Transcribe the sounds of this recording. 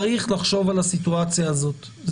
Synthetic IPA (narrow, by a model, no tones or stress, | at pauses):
ʁiχlaχʃo̞valasit̪uat͡sjaːzo̞t̪ | z